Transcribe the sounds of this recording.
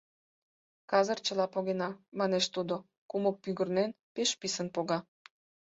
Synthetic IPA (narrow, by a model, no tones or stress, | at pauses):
kɑzərt͡ɕəlɑpoɣenɑmɑneʃt̪ud̪o | kumok̚pyɣərnenpeʃpisənpoɣɑ